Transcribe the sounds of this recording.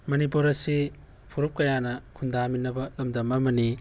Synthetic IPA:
mɐnipuɾɐsi | pʰuɾup̚kɐjanɐkʰundaminːɐbɐlɐmdɐmɐmɐni

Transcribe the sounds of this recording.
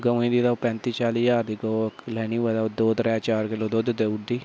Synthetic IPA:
ɡəʋĩd̪iːd̪apɛ̃nt̪it͡ʃaːliːjaːɾd̪iɡoːklɛːniːʋad̪ad̪oːd̪ɾɛːt͡ʃaːɾkeloːd̪oːd̪d̪eʊɖiː

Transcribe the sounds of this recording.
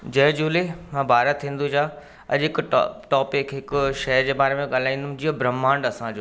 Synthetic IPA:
d͡ʑɐɦd͡ʑuːlemãːbaːɾat̪ʰĩːn̆d̪ud͡ʑaː | ɐ̰ʄɪkʈɔːpɪkɦɪkʊʃɐd͡ʑeːbaːɾemẽɠaːl̤aːĩːnd̪ũd͡ʑiːabɾɐmãːɳɖɐsãd͡ʑoː

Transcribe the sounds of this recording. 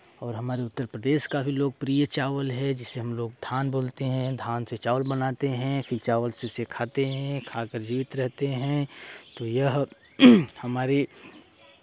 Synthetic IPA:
ɔːɾɦɐmaːɾeʊt̪ːəɾpɾəd̪eːʃkaːfʰiloːɡ̚pɾijət͡ʃaːʋəlɦɛd͡ʒɪsːeɦɐmloːɡ̚d̪ʱaːnboːlt̪eɦɛ̃d̪ʱaːnset͡ʃaːʋəlbɐnaːt̪eɦɛ̃fʰɪɾt͡ʃaːʋəlseʊsekʰaːt̪eɦɛ̃kʰaːkəɾd͡ʒiːt̪ɾɛɦt̪eɦɛ̃t̪oːjɐɦ | hɐmaːɾe

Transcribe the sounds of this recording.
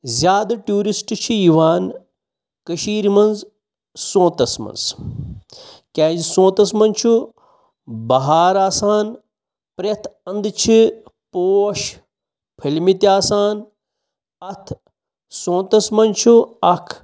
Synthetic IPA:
zjaːd̪ɐʈuːɾisʈt͡ʃʰijiʋaːn | kɐʃiːɾmɐnz | sõːt̪ɐsmɐ̰nz | kʲaːzsõːt̪ɐsmɐnt͡ʃʰu | bɐɦaːɾaːsaːn | pɾɐt̪ʰɐnd̪t͡ʃʰipoːʃ | pʰilmit̪iaːsaːn | ɐt̪ʰ | sõːt̪ɐsmɐnt͡ʃʰuɐkʰ

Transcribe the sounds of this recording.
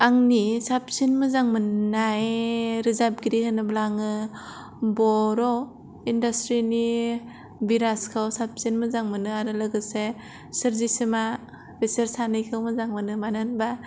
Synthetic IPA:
aŋnisap̚sinmɯzaŋmɯnajɾizab̚ɡiɾihɯnɯblaŋɯ | bɔɾɔ | indastɾini | biɾaskʰawsap̚sinmɯzaŋmɯnɯaɾɯlɯɡɯse | sɯɾzisɯma | b̥eseɾsanɯjkʰɯwmɯzaŋmɯnɯmanɯnba

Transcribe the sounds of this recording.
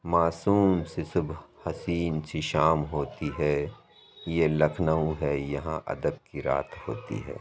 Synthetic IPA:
maːsuːmsesʊbʱhɐsiːnsiʃaːmɦoːt̪iɦɛː | jelɐkʰnəũɦɛjɐɦãʔɐ̰d̪əb̚kiɾa̰ːt̪ʰho̰ːt̪ḭɦɛ̰ː

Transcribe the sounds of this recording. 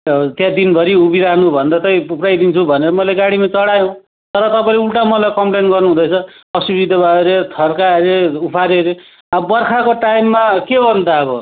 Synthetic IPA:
t̪jãd̪inbʱʌɾiubiɾaɦnubʱʌnd̪at̪ʌj̃uprajd̪int͡sʰubʱʌneɾʌmʌleɡaɽimat͡sʌɽajõ | t̪ʌɾʌt̪ʌpaĩleuɭʈamʌlajkʌmplenɡʌrnuɦũd̪ʌt͡sʰʌʌsubid̪ʱʌbaɾet̪ʰʌrkaɾeupʰaɾeɾe | abʌrkʰakoʈajmːakebʌnt̪aʌbʌ

